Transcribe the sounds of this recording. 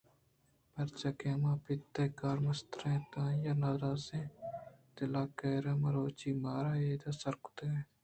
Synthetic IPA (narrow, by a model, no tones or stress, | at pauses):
pɐɾt͡ʃakeːmãːpɪt̪ːeːkaːɾmɐst̪ɾẽːt̪ãːjaːnaːɾaːzẽːt̪ɪlaːkeːɾəmɐɾoːt͡ʃiːmaːɾaːeːt̪aːsəɾkʊ̥t̪eːeː